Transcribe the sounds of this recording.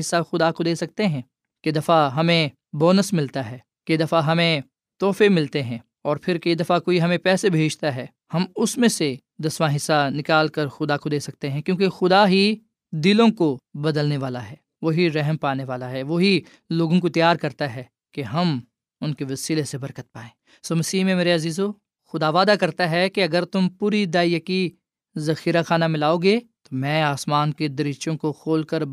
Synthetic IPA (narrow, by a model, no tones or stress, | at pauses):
ɪsːaxʊd̪akod̪eːsɐk̚t̪eɦɛ̃ː | ked̪ɐfaɦɐmẽ | bɔːnəsmɪlt̪aɦɛː | ked̪ɐfaɦɐmẽ | t̪ɔːfemɪlt̪eɦɛ̃ː | ɔːɾpʰɪɾkeid̪ɐfakoːiɦɐmẽpɛːsebʱeːd͡ʒt̪aɦɛː | hɐmʊsmẽse | d̪ɐsʋaɦɪsːanɪkaːlkɐɾxʊd̪akod̪eːsɐk̚t̪eɦɛ̃kjõːkexʊd̪aɦi | d̪ɪlõkobɐd̪əlneʋaːlaɦɛː | ʋoːɦiɾɛɦmpaːneʋaːlaɦɛʋoɦi | loːɡõk̬ot̪ɐjaːɾkɐɾt̪aɦɛː | keɦɐm | ʊnkeʋɐsiːlesebɐɾkət̪̚paːẽː | soːmɐsiːɦmẽmeːɾeɐziːzo | xʊd̪aːʋaːd̪akɐɾt̪aɦɛkeɐɡəɾt̪ʊmpuːɾid̪aːijəki | zɐxiːɾaxaːnamɪlaːoːɡeːt̪omɛ̃ːaːsmaːnked̪ɐɾɪt͡ʃõkoxʰoːlkəɾ